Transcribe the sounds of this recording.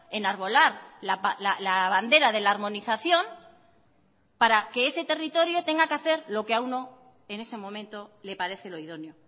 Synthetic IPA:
e̞naɾβ̞o̞laɾlapalalaβand̪e̞ɾaðe̞laːɾmo̞niθaθjo̞m | paɾake̞ese̞t̪e̞rit̪o̞ɾjo̞t̪e̞ŋɡakeaθe̞ɾlo̞keauno̞ | e̞ne̞se̞mõ̞mẽ̞nt̪o̞le̞paɾe̞θe̞lo̞iðo̞njo

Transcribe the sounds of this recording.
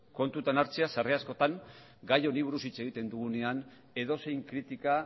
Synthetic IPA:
ko̞nt̪ut̪anaɾt͡se̞asare̞asko̞t̪aŋ | ɡajo̞niβ̞uɾusit͡se̞ɣ̞it̪e̞nd̪uɣune̞an | e̞ðo̞se̞jŋkɾit̪ika

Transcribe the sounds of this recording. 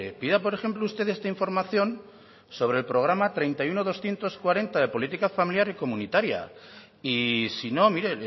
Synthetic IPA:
epiðapo̞ɾe̞xe̞mploust̪e̞ðe̞st̪aiɱfo̞ɾmaθjo̞n | so̞β̞ɾe̞lpɾo̞ɣ̞ɾamat̪ɾe̞jnt̪ajunoðo̞sθje̞nt̪o̞skwaɾe̞nt̪aðe̞po̞lit̪ikafamiljaɾiko̞mũnit̪aɾja̰ | isino̞miɾe

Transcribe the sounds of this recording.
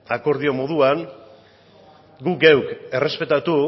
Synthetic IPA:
ako̞ɾðio̞mo̞ðuaŋ | ɡuɡewke̞re̞spe̞t̪at̪u

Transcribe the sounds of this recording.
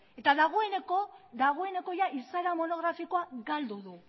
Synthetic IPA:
e̞t̪aðaɣ̞o̞e̞nekoðaɣ̞o̞e̞ne̞ko̞jaʔisaɾamo̞no̞ɣɾafiko̞aɡald̪uðu

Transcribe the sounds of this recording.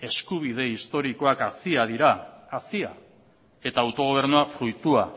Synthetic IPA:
e̞skuβ̞ið̞e̞ist̪o̞ɾiko̞akasiað̞iɾaːsia̰ | e̞t̪aːwt̪o̞ɣ̞oβ̞e̞ɾnuafɾujt̪ua

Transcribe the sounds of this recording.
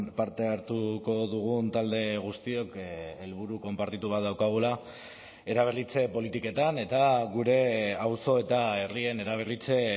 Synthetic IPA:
paɾt̪e̞aɾt̪uko̞ðuɣ̞unt̪ald̪e̞ɣ̞ust̪io̞kelβuɾuko̞mpaɾt̪it̪uβ̞at̪̚ðawkaɣ̞ula | e̞ɾaβ̞erit͡se̞po̞lit̪ike̞t̪ane̞t̪aɣuɾe̞awso̞e̞t̪ae̞rie̞ne̞ɾaβ̞erit͡se̞

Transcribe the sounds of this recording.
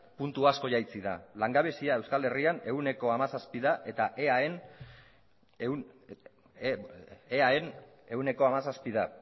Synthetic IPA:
punt̪uasko̞ʝajt͡siða̰laŋɡaβ̞e̞siae̞wskale̞riane̞ɣune̞ko̞amasaspiðaʔe̞t̪aʔeaen | eae̞n | e̞ɣune̞ko̞amasaspiða

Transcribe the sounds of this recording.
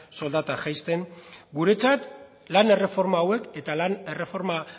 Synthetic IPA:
so̞ld̪at̪aʝajst̪e̞ŋɡuɾe̞t͡sat̪ | lane̞re̞fo̞ɾmaːwe̞ke̞t̪alane̞re̞fo̞ɾma

